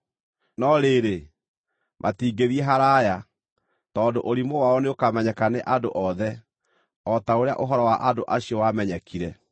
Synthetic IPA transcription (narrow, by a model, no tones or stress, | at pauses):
nɔɾeɾe | mʔatiːɡeðiɛɦaɾaja | tɔːndoʔoɾimowaɔneokamɛɲɛkaneʔadoʔɔðɛ | ɔtaoɾea̰ʔoɦɔɾɔwaʔadoʔaɕiɔwamɛɲɛkʰiɾɛ